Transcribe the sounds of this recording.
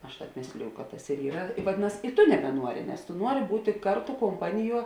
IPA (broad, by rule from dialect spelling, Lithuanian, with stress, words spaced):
ˈɐʃ ˈtɑːp ˈmʲeːsʲlʲɪjʊ kɐt tɐs ɪr ˈiːrɐ ʋɐˈdʲɪnɐs ɪ ˈtʊ nʲɛbʲɛˈnuɔrʲɪ nʲɛs tʊ ˈnuɔrʲɪ ˈbuːtʲɪ ˈkɐrˌtʊ koːmˈpɑːnʲɪˌjuɔ